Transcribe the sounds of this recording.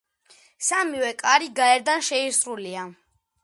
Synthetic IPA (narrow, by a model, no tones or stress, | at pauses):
samivɛkʼaɾiɡaɛɾd̪anʃɛisɾulia